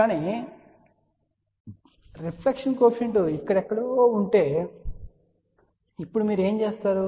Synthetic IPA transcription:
kaːni | ɾipʰlekʂɐnkoːpʃɐɳʈuikːɐɽɛkːɐɽoːuɳʈe̞ː | ipːuɽumiːɾue̞ːmt͡ʃe̞ːst̪aːɾu

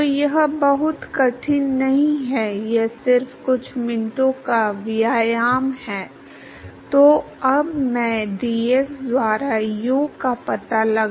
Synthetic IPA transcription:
ojɐɦbɐɦʊt̪kɐʈʰɪnnɐɦĩɦɛjesɪɾfkʊt͡ʃʰmɪ̃nʈõkaʋɪjaːjaːmhɛː | t̪oː | ɐbmɛ̃ːd̪iekd̪waːɾajoːkapɐt̪alɐɡ

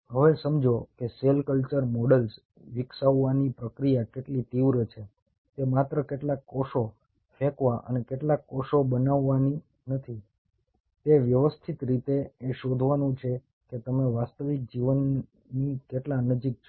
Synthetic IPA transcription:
ɦəʋesəmd͡ʒokeselkəlt͡ʃəɾmɔɽəls | ʋɪksaʋːanipɾəkɾijakeʈlit̪iʋɾət͡ʃʰe | t̪emat̪ɾəkeʈlakːɔʃo | fɛkʋaʔə̰nekeʈlakːɔʃobənaʋːani | nət̪ʰi | t̪eʋjəʋəst̪ʰit̪ɾit̪eːʃod̪ʱʋanũt͡ʃʰe | ket̪əmeʋast̪əʋik̚d͡ʒiʋənː | ikeʈlanəd͡ʒik̚t͡ʃʰ

